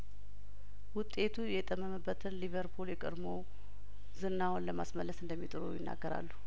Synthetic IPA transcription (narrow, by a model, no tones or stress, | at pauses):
wʊt̪ʼe̞t̪ʰujɛt̪ʼəməməbːət̪ʰɨnliβəɾpʰuljɛkʼə̰ɾmow | zɨnːawonləmasməlːəsɨnd̪əmːit̪ʼɨɾo̰wjɪnːa̰ɡːəɾa̰lːu